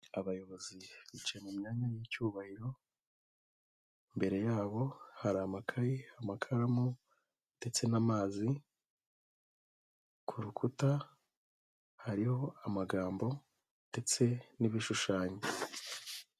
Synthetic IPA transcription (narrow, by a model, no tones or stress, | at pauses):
aβajo̞βo̞ziβit͡ʃemumɲaːɲajicuːβahiɾo̞ | imbe̞ɾe̞jaːβo̞haɾamakʰajiamakʰaɾamu | d̥e̞t͡se̞namaːzi | kʰuɾukʰuta | haɾiho̞amaɡaːmbo̞ | d̥e̞t͡se̞niβiʃuʃaːɲe